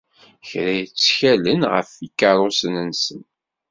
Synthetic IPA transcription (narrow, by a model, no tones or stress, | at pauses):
çɾæjt͡sːçælənʁə̰fikːɑɾˤosənənsən